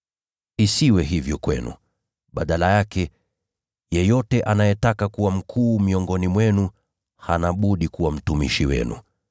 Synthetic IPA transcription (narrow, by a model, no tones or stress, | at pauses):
isiwɛɦivjɔkwɛ̰nṵ | ɓaɗalajakɛ | jɛjɔtɛʔanajɛtakakuwam̩kʰuːmiɔŋɡɔnimwɛnu | hanaɓuɗikuwam̩tumḭʃiwɛ̰nṵ